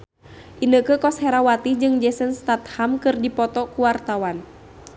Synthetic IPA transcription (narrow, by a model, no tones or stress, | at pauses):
ʔinəkəkɔshɛɾawat̪id͡ʒɨŋd͡ʒɛsənst̪at̪hamkɨrdipɔt̪ɔkuwart̪awan